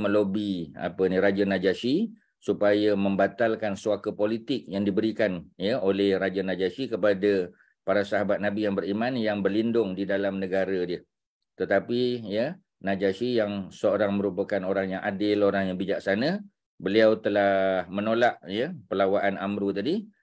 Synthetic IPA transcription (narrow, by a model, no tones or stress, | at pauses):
mə̃lobia̰pəniɾad͡ʒanad͡ʒasi | supajamə̃mbat̪alkansuakəpolit̪ɪk̚jaŋdibəɾikanjəolɛhɾad͡ʒanad͡ʒasikəpada | paɾasaɦabat̪̚nabijaŋbəɾimãnjaŋbərlindʊŋdidalamnəɡaɾədiə | t̪ət̪apijə | nad͡ʒasijaŋsəoɾaŋmə̃ɾupəkanoɾaŋjaŋʔadɪloɾaŋjaŋbid͡ʒaʔ̚sanə | bəliawt̪əlahmənolaʔjəpəlawaʔanamɾut̪adi